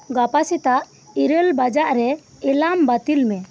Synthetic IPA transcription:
ɡapasit̪aʔ | iɾəlbad͡ʒaʔɾɛ | ɛlambat̪ilmɛ

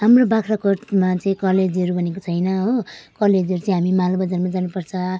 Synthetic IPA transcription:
ɦamrobakʰrʌkortmat͡sʌĩkʌled͡zʌɾubʱʌnekot͡sʰʌjnʌɦokʌled͡zʌɾut͡saĩɦamimalbʌd͡zarmad͡zanupʌrt͡sʰʌ

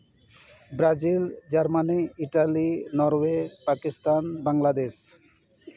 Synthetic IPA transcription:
bɾad͡ʑild͡ʑaɾmaniiʈalinɔɾwepakist̪anbaŋlad̪eʃ

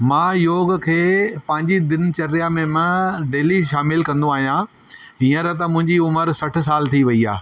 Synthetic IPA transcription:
mãːjoːɡkʰeːpɐ̃ɦɪ̃ɲd͡ʑid̪ɪnt͡ɕɐɾjamẽmãɖeːliʃaːmɪlkɐ̃nd̪õaːɦijãː | ĩːə̃ɾɐt̪ɐmʊ̃ɦɪ̃ɲd͡ʑiʊməɾsɐʈ̆ʰs̬aːlt̪ʰiʋɐiaː

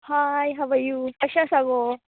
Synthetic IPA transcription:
haːjɦɐʋɐjupɐʃasaːɡo

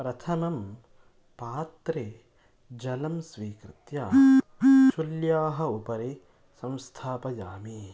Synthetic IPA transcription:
pɾɐt̪ʰɐmɐm | paːt̪ɾeː | d͡ʒɐlɐmsʋiːkɾɪt̪jaː | ʃuljaːɦɐ̆upɐɾeː | sɐ̃w̃st̪ʰaːpɐjaːmi

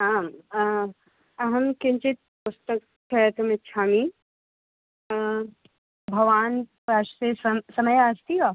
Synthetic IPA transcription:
ɦaːm | ɐɦɐmkɪɲt͡ʃit̪̚pʊst̪ɐk | t͡ʃʰɛt̪ɐmɪtt͡ʃʰaːmi | bʱɐʋaːnpaʃsessɐməjaːst̪ioː

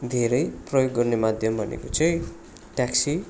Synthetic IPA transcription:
d̪ʱeɾʌjprʌjoɡːʌrnemad̪ʱjʌmbʱʌnḛkot͡sʌĩ | ʈjaksi

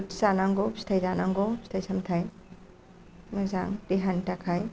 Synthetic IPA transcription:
tsanaŋɡɔstʰajzanaŋɡɔstʰajsamtʰaj | mazaŋdiɦantakʰaj

